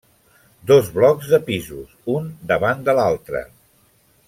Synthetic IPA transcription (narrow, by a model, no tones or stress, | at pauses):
d̪ozβlɔkzðəpizusund̪əβand̪əlalˠt̪ɾə̰